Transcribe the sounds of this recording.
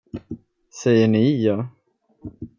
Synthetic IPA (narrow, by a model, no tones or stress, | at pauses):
sɛjːəɳɪjɑː